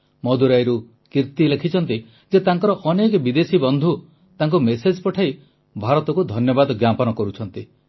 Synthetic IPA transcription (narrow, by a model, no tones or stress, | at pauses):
mɔd̪uɾajɾu | kiɾt̪ilekʰit͡ʃʰɔnt̪i | d͡ʒet̪aŋkɔɾɔʔɔnekbid̪esibɔnd̪ʱu | t̪aŋkumesed͡ʒpɔʈʰai | bʱaɾɔt̪ɔkud̪ʱɔnjɔbad̪ɔɡjapɔnɔkɔɾut͡ʃʰɔnt̪i